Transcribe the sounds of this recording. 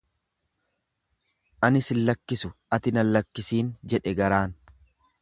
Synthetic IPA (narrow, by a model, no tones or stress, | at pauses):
ʔɐnɪsɪlːɐkːɪsʊʔɐt̪ɪnɐlːɐkːɪsiːnd͡ʒɛᶑɛɡɐɾaːn